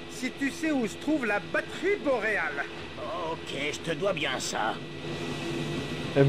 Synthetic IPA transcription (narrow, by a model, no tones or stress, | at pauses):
sit̪ysɛusə̥t̪χuvlabat̪χibɔʁeal | oːkʲʰeʒət̪əd̪wabjɛ̃sa̰